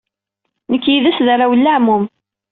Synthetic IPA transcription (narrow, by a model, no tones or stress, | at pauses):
nəkːjiðæsðaɾawəlːaʕmum